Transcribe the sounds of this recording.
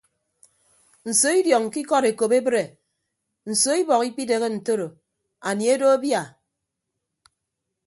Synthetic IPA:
n̩˨so˨˦i˦djɔ˨ŋki˦kɔ˦ɾe˨ko˨pe˦bɾe˨ | n̩˨so˦i˦bɔ˨ki˦k͡pi˦de˨ɣe˦n̩˨to˦ɾo˨ | a˨ni˨e˦do˦a˦bja˦˨

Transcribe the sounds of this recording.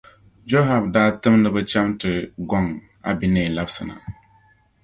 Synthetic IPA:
d͡ʒo˦ɦa˨bdaː˦tɨ˦mnɨ˦bɨ˦t͡ʃa˦mtɨ˨ɡɔ˦˨ŋ | a̰˨bi˨nɛː˦˨la˦bsɨ˨na̰˨

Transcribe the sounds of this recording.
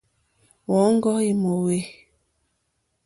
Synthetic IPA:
wɔ˨˦ŋ˦ɡɔ˦i˨mo˨we˨

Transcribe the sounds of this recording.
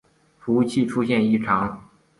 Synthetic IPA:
fu˧˥u˥˧t͡ɕʰi˥˩ʈ͡ʂʰu˥ɕjɛ˥˧ni˥˩ʈ͡ʂʰɑ˧˥ŋ

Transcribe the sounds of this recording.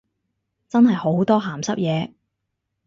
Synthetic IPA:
t͡sɐ˥nhɐ˨jho˨˥wt̪ɔː˥ɦaː˨˩msɐ˥p̚jɛː˨˧

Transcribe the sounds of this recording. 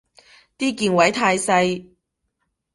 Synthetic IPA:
t̪iː˥kiː˧nwɐ˨˥jt̪ʰaː˧jsɐ˧j

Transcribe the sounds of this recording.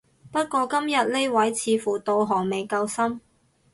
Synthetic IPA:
pɐ˥t̚kʷɔː˧kɐ˥mjɐ˨t̚le˥jwɐ˨˥jt͡sʰiː˨˧fuː˨t̪o˧wɦɔː˨˩ŋme˨jkɐ˧wsɐ˥m

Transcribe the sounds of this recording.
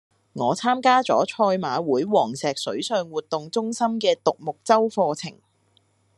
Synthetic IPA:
ŋɔː˨˧t͡sʰaː˥mkaː˥t͡sɔː˨˥t͡ʃʰɔː˧jmaː˨˧wuː˨˥jwɔː˨˩ŋsɛː˨k̚sɵ˨˥ɥsœː˧ŋwuː˨t̚t̪ʊ˨ŋt͡sʊ˥ŋsɐ˥mkɛː˧t̪ʊ˨k̚mʊ˨k̚t͡sɐ˥wfɔː˧t͡sʰɪ̰˨˩ŋ

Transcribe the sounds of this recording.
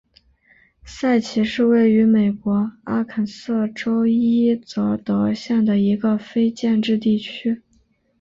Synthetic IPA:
sa˥˩ɪt͡ɕʰi˧˥ʂɻ̩˥˧we˥˩ɪy˧˥me˨˩ɪkwɔ˧˥a˥kʰə˨˩nsɤ˥˩ʈ͡ʂo˥ʊi˥t͡sɤ˧˥˩t̪ɤ˧˥ɕja˥˩ŋd̪ə˩i˧˥ɡə˧fe˥ɪt͡ɕjɛ˥˧nʈ͡ʂɻ̩˥˧t̪̬i˥˩t͡ɕʰy˥

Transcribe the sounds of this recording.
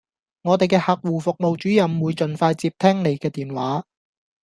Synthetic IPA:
ŋɔː˨˧t̪e˨jkɛː˧hɐ˨k̚wuː˨˩fʊ˨k̚mo˨wt͡ʃyː˨˥jɐ˨˧mwuː˨˧jt͡ʃɵ˨nfaː˧jt͡siː˧p̚t̪ʰɛː˥ŋne˨˧jkɛː˧t̪iː˨nwaː˨˥

